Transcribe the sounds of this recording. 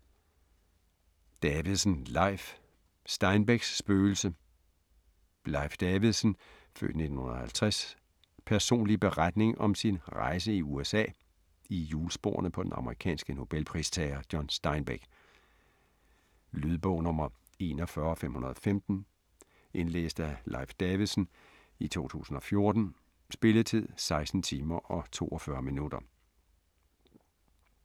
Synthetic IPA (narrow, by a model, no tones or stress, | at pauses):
d̥ɛʋiðˠsənlɑ̈ɪf | sd̥ɑ̈ɪnb̥eɡ̥sːb̥øːl̩sə | lɑ̈ɪfd̥ɛʋiðˠsən | fø̰ːd̥ne̝d̥on̩hunɐð̩ˠhælt͡sʰʁɛs | pʰæɐso̝̰ːnlib̥e̝ʁad̥ne̝ŋʔɒ̽msinʁɑ̈ɪs̬əiuesɛ̰ː | ijuːlsb̥o̝̰ːɐnəpʰɒ̽d̥enɑ̈məʁikʰɛ̰ːnsɡ̥əno̝b̥elpʰʁḭst͡sʰɛɪɐd̥jɒnsd̥ɑ̈ɪnb̥eɡ̥ | lyðˠb̥ɔ̽ʊnɔmɐ | e̝̰ːnɒfɶɐɒfem̰hunɐð̞ˠɒfemd̥n̩ | ʔe̝nlḛːsd̥əælʔɑ̰̈ɪfd̥eʋisn̩ | it͡sʰo̝̰ːt͡sʰṵːsn̩ɒ̽fjo̝ɐd̥n̩ | sb̥e̝lət͡sʰið̞̰ˠsɑ̈ɪsd̥n̩t͡sʰiːmɐʔɒ̽t͡sʰo̝̰ːɒfɶɐminud̥ɐ